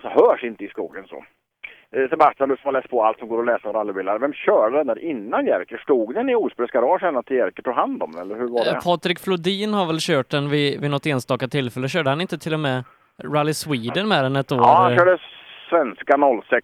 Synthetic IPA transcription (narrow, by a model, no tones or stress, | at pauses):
sɔhœːʂɪnt̪əɪskuːɡənsɔ̰ | sɛbasʈ̪anʉsɔmalɛːspʰɔalt̪sɔmɡoːɾɔlɛːsəɔɾalːɪvɪlːaɾvɛmɕœːɖəd̪ɛnæːɾʔɪnːanjæɾkəʂkuːɡd̪ənɪuːspɾɛskaɾɔːʂɛnːat̪ʰːɪjɛɾkəʈʰuːɡhand̪ɔmɛ̰lːəɾhɵɾvaɖɛ̰pʰɑːt̪ɾɪkflʊd̪iːnhaɾvɛlɕøːʈ̚d̪ɛnvɪvɪnɔt̪ːeːnst̪ɑːkat̪ʰɪlfɛlːəɕøːɖəhanɪnt̪ət̪ʰɪlːɔmɛ | ɾalːɪswiːd̪ənmɛɾɛnɛt̪oːɾɛhaːnɾøːɖəsvɛnskanɔlːsɛk